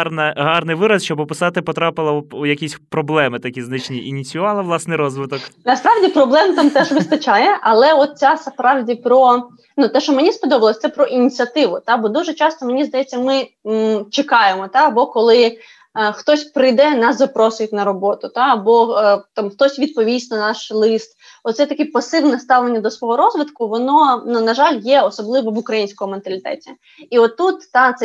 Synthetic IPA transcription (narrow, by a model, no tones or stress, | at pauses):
rnɐɦɑrnɪjʋɪɾɐsʃt͡ʃɔbɔpɪsɑt̪ɪpɔt̪ɾɑpɪlˠɐjɐkʲisʲpɾɔblˠɛmɪt̪ɐkʲiznɪt͡ʃnʲiʔːnʲit͡sʲʊʋɑlˠɐʋlˠɑsnɪjɾɔzʋɪt̪ɔknɐspɾɑʋdʲipɾɔblˠɛmt̪amt̪ɛʒʋɪst̪ɐt͡ʃajɛʔɐlˠɛɔt̪̚t͡sʲaspɾɑwdʲipɾɔ | nut̪ɛʃt͡ʃɔmenʲispɔd̪ɔbɐlˠɔsʲt̪sɛpɾɔʔinʲit͡sʲɐt̪ɪʋʊt̪ɑbɔd̪uʒɛt͡ʃɑst̪ɔmenʲizd̪ɐjɛt͡sʲːɐmɪ | t͡ʃekɑjemɔt̪aɐbɔkɔlˠɪ | xt̪ɔsʲpɾɪjd̪ɛnɑszɐpɾɔsʊjetʲnɐɾɔbɔt̪ʊt̪aɐbɔt̪ɑmxt̪ɔsʲʋʲid̪̚pɔʋʲisʲnɐnɑʃlˠɪst̪ | ɔt̪sɛt̪ɐkʲipɐsɪʋnɛst̪ɑʋlenʲːɐd̪ɔsʋɔɦɔɾɔzʋɪt̪kʊʋɔnɔnunɐʒɑlʲjɛɔsɔblˠɪʋɔʋʊkɾɐjinʲsʲkɔmʊment̪ɐlʲɪt̪ɛ̰tʲi | iɔt̪ːut̪ːɑt̪sɛ